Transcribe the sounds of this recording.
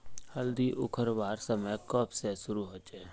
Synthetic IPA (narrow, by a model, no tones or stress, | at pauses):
həld̪iʔʊ̰kʰəɾʋaːɾsəməjkɔpsesʊɾuɦoːt͡ʃeː